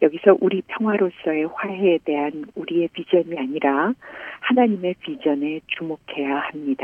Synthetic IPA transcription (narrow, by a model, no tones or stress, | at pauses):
jʌɡisʰʌʔuɾipʰjʌŋɦwaɾos͈ʌe̞ɸwaɦeːde̞ɦanuɾie̞pid͡ʑʌɲiaɲiɾahanaɲime̞pid͡ʑʌnet͡ɕumokʰe̞jahamɲid̥a